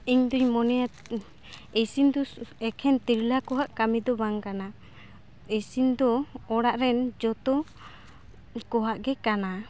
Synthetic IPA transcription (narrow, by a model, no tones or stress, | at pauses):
iɲd̪uɲmɔnɛja | esind̪ɔɛkʰɛnt̪iɾlakɔɦaʔkamid̪ɔbaŋkana | esind̪ɔːɽaʔɾɛnd͡ʒɔt̪ɔ | kɔɦaʔɡɛkana